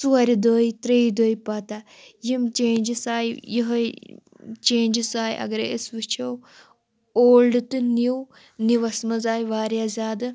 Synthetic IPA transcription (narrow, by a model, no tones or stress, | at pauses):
suɐɾʲid̪oːjit̪ɾejd̪oːjpɐt̪a | jimt͡ʃẽːnd͡ʒisaːjjiɦɐ | t͡ʃeːnd͡ʒisaːjʔɐ̰ɡɾḛesʋɨt͡ʃʰɐw | oːlɖɨt̪ɨniw | niʋɐsmɐzaːjʋaːɾjaːzʲaːd̪ɨ